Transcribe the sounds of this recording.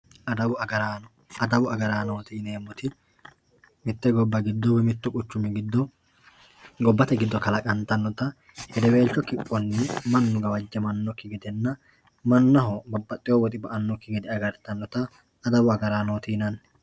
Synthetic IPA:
ɐd̪ɐbʊɐɡɐɾaː | ɐd̪ɐbʊɐɡɐɾaːnoːt̪iːneːmːɔt̪ɪ | mɪt̪ːɛɡɔbːɐɡɪd̪ːɔbɛmɪt̪ːʊkʼʊt͡ʃːʊmɛɡɪd̪ːɔ | ɡɔbːɐt̪ɛɡɪd̪ːɔkɐlɐkʼɐnt̪ɐnːɔt̪ɐ | hɛd̪ɛwe̞ːlt͡ʃːɔkɪpʼːɔnːɪmɐnːʊɡɐwɐd͡ʒːɛmɐnːɔkːɪɡɪd̪ɛnːɐ | mɐnːɐɦɔbɐbːɐt̪ʼːɪjɔwɔt̪ʼɪbɐʔɐnːɔkːɪɡɪd̪ɪɐɡɐɾt̪ɐnːɔt̪ɐː | d̪ɐbʊɐɡɐɾaːnoːt̪iːnɐn

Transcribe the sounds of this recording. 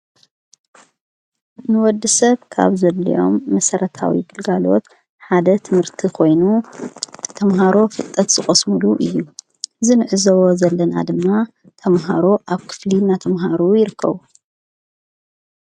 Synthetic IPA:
nɨwɔd̪ːɨsɐβkʰa̰βzɐlːḭʔo̞̰mːɐsɐɾɐt̪ʰa̰wḭɡɨlɡalo̞t̪ | ħad̪ɐt̪ʰɨmhɨɾt̪ʰikʰo̞jnu | t̪ʰɐmɦaɾo̞fɨt̪ʼːɐt̪z̥ɨxʼɐsmɨluʔɨjːu | ɨzinɨʕɨzɐwozɐlːɐna̰d̪ɨmːa | t̪ʰɐmɦa̰ɾo̞ʔaβkʰɨ̥flinat̪ʰɐmɦaɾujɪɾɨkʰːɐ̰βu

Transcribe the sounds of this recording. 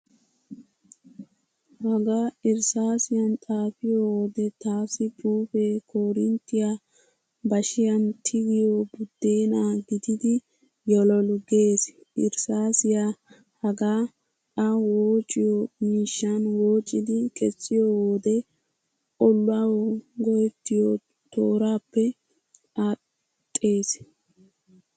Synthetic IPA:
hɐɡaːɪɾsaːsɪjɐnt̪ʼaːfɪjowoːd̪ɛt̪aːsɪpʰʼuːfeːkʰoːɾɪnt̪ːɪja | bɐʃɪjɐnt̪ʰɪɡɪjobʊd̪̥ːeːnaːɡɪd̪ɪd̪ɪ | jɔlɔlʊɡeːsʔɪɾsaːsɪja | hɐɡaː | ɐwoːt͡ʃʼːɪjɔmiːʃːɐnwoːt͡ʃʼːɪd̪ɪkʼɛt͡sʼːɪjɔwoːd̪ɛ | ɔlːʊawɔɡɔjɛt̪ːɪjo | t̪o̰ːɾaːpːɛ | a | t̪ʼːe̞ːs

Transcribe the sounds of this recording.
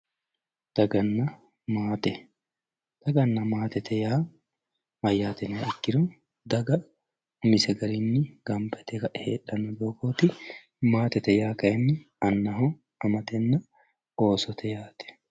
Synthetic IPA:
d̪̥ɐɡɐnːɐ | maːt̪ɛ | d̪̥ɐɡɐnːɐmaːt̪ɛt̪ʰɛjaː | mɐjːaːt̪ɛnɐɛkːɪɾʊ | d̪ɐɡɐ | ʊmɪsɛɡɐɾinːɪɡ̥ɐmbɛt̪ɛkɐᶑheːᶑɐnːɔd̪oːkoːt̪ɪ | maːt̪ɛt̪ɛjaːkɐʔɛnːɪ | ɐnːɐɦɔ | ɐmɐt̪ɛnːɐ | oːsɔt̪ʰɛjaːt̪ɛ̥

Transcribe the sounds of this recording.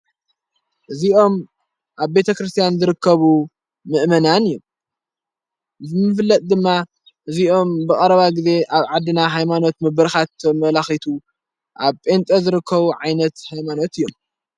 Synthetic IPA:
ʔɨziʔo̞m | ʔaβbe̞t̪ʰɐkɾɨst̪ʰijanzɨɾɨkʰːɐβu | mɨʔmɐnanɨjːom | zɨmɨflːɐt̪ʼd̪ɨmːa | ʔɨziʔo̞mbɨkʼɐɾɐβaɡize̞ʔaβʕad̪ːɨnaɦajmano̞t̪mɨbɨɾxat̪ɐmɐlaxit̪ʰu | ʔaβpʼe̞nt̪ʼɐzɨɾɨkʰːɐβuʕajnɐt̪hajmano̞t̪ɨjːom

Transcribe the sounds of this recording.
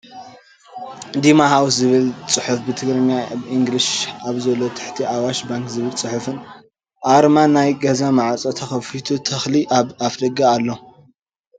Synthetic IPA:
d̪imahawszɨβɨlt͡sʼɨħufbɨt̪ʰɨɡɾɨɲːabɨʔiŋɡliʃaβzɐlot̪ʰɨ̥ħt̪ʰiawaʃbaŋkzɨβɨlt͡sʼɨħʊfɨn | ʔaɾmanːajɡɐzamaʕat͡sʼot̪ʰɐxɐfit̪ʰut̪ʰɐxliafd̪ɐɡaːlːo

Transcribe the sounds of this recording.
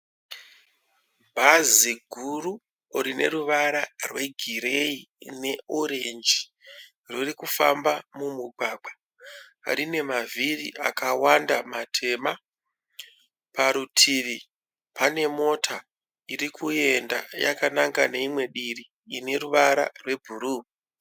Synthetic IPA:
bʱaziɡʱuru | rine̞ɾuʋaɾarwe̞ɡʱiɾe̞ine̞oɾe̞nd͡ʒi | rorikufa̰mbamumuɡʱaːɡ͡bʱa̰ | ɾine̞mavirḭʔa̰kawandamatʰe̞ma | paɾutʰiʋi | pane̞mo̞tʰa | irikʰue̞nda̰ja̰kanaŋkane̞imwe̞ɗiriː | ne̞ruʋaɾa̰rwe̞bʱuruːmi

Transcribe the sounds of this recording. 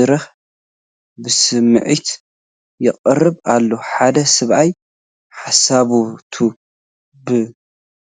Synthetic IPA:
ɨɾɐx | bɨsɨmːɨ̰ʕit̪ | jɪqʼɨrɨβalːoħad̪ɐsɨβʔaj | ħasaβut̪ʰu | bɨ

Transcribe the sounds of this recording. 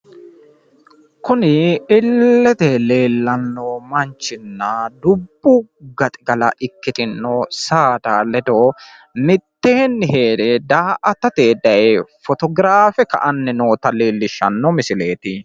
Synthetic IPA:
kʊnɪɪlːɛt̪ɛle̞ːlːɐnːoːmɐnt͡ʃːɪnːɐd̪ʊbːʊɡɐt̪ʼɪɡɐlɐ̰ʔɪkːɪt̪ɪnːosaːd̪aːlɛd̪oː | mɪt̪ːeːnːɪɦe̞ːd̪ɛd̪aːʔɐt̪ɐt̪eːd̪ɐjfɔt̪ɔɡɾaːfɛkɐ̰ʔɐnːɛno̞ːt̪ɐleːlːɪʃɐ̰nːɔmɪsɪle̞ːt̪ɪ

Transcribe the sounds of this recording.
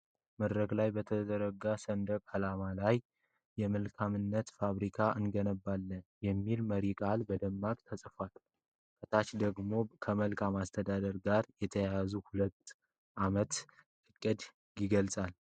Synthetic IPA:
məd̪ɾəɡlajbət̪ʰəd̪əɾəɡasənd̪əkalamalaj | jɛməlkʰamɨnːət̪faβɾikʰaʔɨnɡənəbːalːənjɛmːilməɾikʼalbəd̪əmːakʼt̪ʰəsʼfwal | kʼət̪ʰat͡ʃd̪əɡmo̞kʰəməlkʰamast̪ʰəd̪ad̪əɾɡaɾjɛt̪ʰəjajazuhulət̪ː | ʔamət̪ | ʔɨkʼːɨd̪ | jiɡəlsʼal

